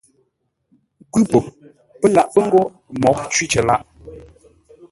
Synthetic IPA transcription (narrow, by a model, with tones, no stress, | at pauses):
kwʉ˦po˨ | pə˦la˨ʔpə˦ŋ̩˦ɡo˦ | mɔ˨˦ʔt͡ʃwi˦t͡ʃə˨la˦ʔ